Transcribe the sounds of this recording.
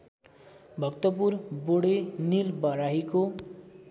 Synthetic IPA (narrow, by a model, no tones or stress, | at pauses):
bʱʌkt̪ʌpurboɽenilbʌɾaɦiko